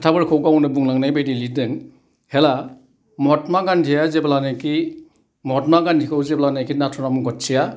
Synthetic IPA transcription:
tʰabɯɾkʰɯwɡawnɯbuŋlaŋnajbajdilidɯŋ | hela | mɔtmaɡantʰijazeblanaki | mɔt̚maɡantʰikʰɯwzeblanajkʰinatʰɔnamuɡɔt̚sija

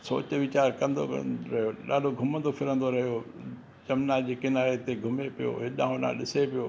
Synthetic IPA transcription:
so̰ːt͡ɕʋɪt͡ɕaːɾkɐ̃nd̪o̰ɾɐɦjoɗa̰ːloɡʱʊmə̃nd̪ofɪɾə̃nd̪oɾɐɦjo | d͡ʑɐmnaːd͡ʑeːkɪnaːɾet̪eɡʱʊmepijo̰ɦɪɗãːɦʊ̃nã̰ɗɪsepijoː

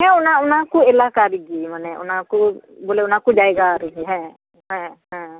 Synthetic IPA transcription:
ɦɛ̃ʊnaʊnakuelakaɾiɡimənɛʊ̰nakuboːleʊnakuɖaeɡaɾiɡiɦɛ̃ | ɦɛ̃ɦɛ̃

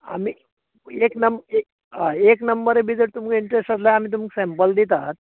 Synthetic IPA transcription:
a̰mi | eknəme | eknəmbəɾebid͡zeʈ̚t̪umkiɳʈɾesʈaslaam̤iːt̪uməksɛ̃mpəld̪it̪at̪̚

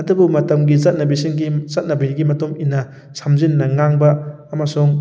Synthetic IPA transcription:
ɐdubumɐtɐmɡizɐt̚nɐbisiŋɡit͡ʃɐt̚nɐbiɾiɡimɐtuminːɐ | sʰamzinːɐŋaŋbɐː | mɐsuŋ

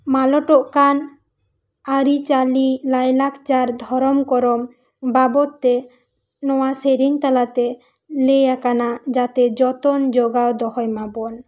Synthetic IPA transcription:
malɔʈoʔkan | aɾit͡ʃalilajlakʰt͡ʃaɾd̪ʱɔɾɔmkɔɾɔm | babɔt̪ːe | nɔwaseɾiŋt̪alat̪e | lejakanad͡ʒat̪ed͡ʒɔt̪ond͡ʒoɡaod̪ɔhɔjmabɔn

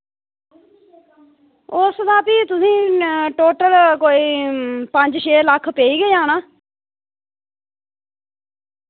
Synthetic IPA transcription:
ʊsd̪aːpiːt̪ʊsĩːʈoːʈəlkoːiːpəɲd͡ʒʃeːləkʰpeːiːɡəiːaːnaː

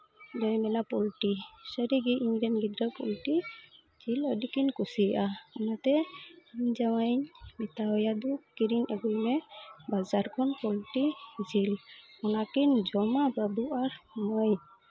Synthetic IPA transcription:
dɔjmɛnapɔlʈisəɾiɡiʔiŋɡɾɛnbid̪ɾapɔlʈi | zilɔdikinkusiaɔnat̪ɛiɲd͡ʒawajɲmit̪aɔjad̪ukiɾinɛɡulmɛbazaɾkʰɔnpɔlʈid͡ʒilɔnakind͡ʒɔmababuaɾmɔj

